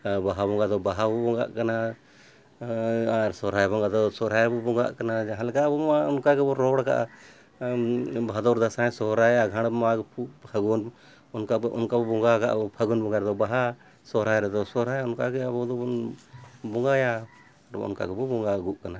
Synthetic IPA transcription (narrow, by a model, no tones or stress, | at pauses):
baɦabɔŋɡad̪ɔbaɦabɔbɔŋɡa̰ʔkana | ɾsɔɾajbɔŋɡad̪ɔsɔɾajbɔbɔŋɡa̰ʔkanad͡ʒaɦãlɛkabɔaʊnkakɛɔɾɔɽka̰ʔ | bʱad̪ɔɾd̪asaɛ̃sɔɾajaɡʱaɽ̃maɡpʰuəɡun | ɔnkaʔɔ̰nkabɔbɔŋɡaka̰ʔpʰəɡunbɔŋɡaɾd̪ɔbaɦa | sɔɾajɾɛd̪ɔsɔɾajʊnkaɡɛabɔd̪ɔɔn | bɔŋɡaja | ɾ̰ʊ̰nka̰kɛbɔbɔŋɡaɡuʔkana